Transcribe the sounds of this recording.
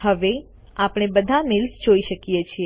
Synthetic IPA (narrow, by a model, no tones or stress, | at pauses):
həʋe | apɽ̃ebəd̪ʱamɪlsd͡ʒoiʃəkijet͡ʃʰie